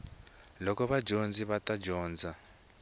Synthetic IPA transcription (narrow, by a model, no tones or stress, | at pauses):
lɔkɔβad͡ʒʱond͡ziβatʼad͡ʒɔːnd͡zʱa